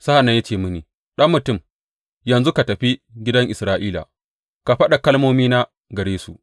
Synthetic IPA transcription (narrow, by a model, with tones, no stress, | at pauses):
sa˦ha˨nːa˨˦ja˦t͡ʃeː˦˨mʊ˦niː˨ | ɗɐ˦mːʊ˨tʊ˦˨m | jɐ˨nzu˦ka˨tɐ˨ɸi˦ɡʲɪ˦dɐ˦ŋʔɪ˨sɾaː˦ʔiː˦la̰˨ | ka˨ɸɐ˦ɗa˨kɐ˦lmoː˦miː˦na˦ | ɡɐ˨ɾeː˦sṵ˨ʔ